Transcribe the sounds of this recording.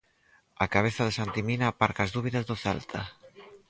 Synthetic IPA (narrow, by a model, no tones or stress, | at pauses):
akaβ̞eθaðɪsant̪iminaːpaɾkaːzðuβ̞iðɐzðoθɛ̰lt̪ʰa